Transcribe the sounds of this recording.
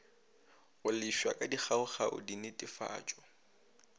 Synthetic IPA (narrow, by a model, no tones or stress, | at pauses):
ʊlɪʃwa̰kʼadiχʰaʊχaʔʊ̰dinɪtʼɪfa̰ːt͡ʃʼɔ